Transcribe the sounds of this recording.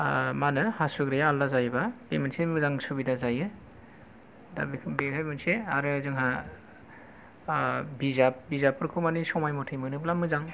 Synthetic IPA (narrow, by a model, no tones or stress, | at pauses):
manɯhasuɡɾejaːlːazajbaemɯnsemɯzaŋsubidazajɯ | da̰bikʰbehamɯnseaɾɯazɯŋɦa | bizap̚bizapːɯɾkʰumanisɔmajmɔtʰajmɯnɯblamɯzaŋ